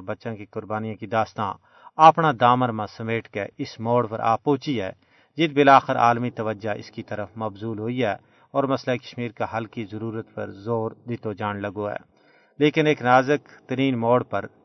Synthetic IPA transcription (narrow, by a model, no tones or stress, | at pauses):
bɐtːʃãkikʊɾbaːnijãkid̪aːst̪ã̰ | aːpnad̪aːməɾmãsɐmeːʈkḛɪsmɔːɽpɐ̰ɾʔa̰ːpːoːt͡ʃiɦɛː | d͡ʒɪt̪̚bɪlaːxɪɾʔa̰ːlmit̪ɐʋəd͡ʒaʔɪ̰skit̪ɐɾəfmɐbzuːlɦoːiɦɛː | ɔːɾmɐslaikɐ̥ʃmiːɾkaɦɐlkizɐɾuːɾət̪pɐ̰ɾzoːɾd̪ɪt̪od͡ʒaːnlɐɡoɦɛ̰ː | leːkɪneːknaːzəkt̪əɾiːnmɔːɽpɐɾ